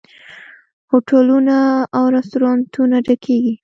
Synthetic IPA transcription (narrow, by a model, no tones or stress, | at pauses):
hoʈʰalunaːwɾast̪oɾɑnt̪ʰunaɖakʰeɡi